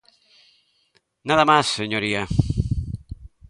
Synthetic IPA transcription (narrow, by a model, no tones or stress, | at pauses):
naðamasːeɲoɾia